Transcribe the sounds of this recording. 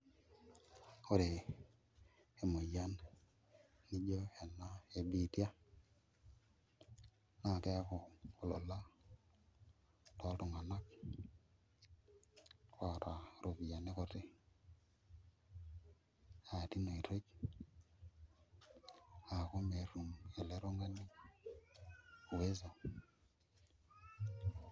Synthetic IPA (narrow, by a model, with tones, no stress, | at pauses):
o˦ɾe˨ | e˨mo˨ja˦nː | i˦d͡ʒo˦e˨na˦e˨bi˦˨tja˦ | na˨kɛ˦a˦kɔ˨lo̰˨la˦ | tɔ˨˦ltʊ˨ŋa˨na˦k | a˨ta˨ɾo˨βi˨ja˨ne˦ko˨te˦ | a˨ti˦no˨i˨to˦k | a˨ko˦me˨ɾu˨ŋe˨le˦ɾo˦ŋa˦ni˦ | o˨we˦za˨